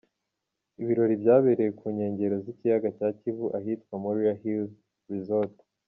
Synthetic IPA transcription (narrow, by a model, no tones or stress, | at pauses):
iβiɾo̞ɾibɟaːβeɾejekʰuːɲe̞ːɲɟe̞ɾo̞zicijaɡacaːcivuʔaɦitkwamuɾujahil | ɾizolt